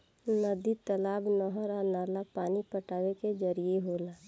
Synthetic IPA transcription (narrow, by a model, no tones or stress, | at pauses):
nəd̪it̪əlaːbnɔɦəɾanaːlapaːnipəʈaːweked͡ʒəɾieɦoːlaː